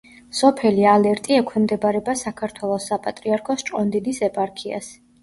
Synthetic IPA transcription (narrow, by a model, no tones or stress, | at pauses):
sɔpʰɛlialɛɾt̪ʼiɛkʰwɛmd̪ɛbaɾɛbasakʰaɾt̪ʰwɛlˠɔsːapʼat̪ʼɾiaɾkʰɔst͡ʃʼqʼɔnd̪id̪isɛpʼaɾkʰia̰s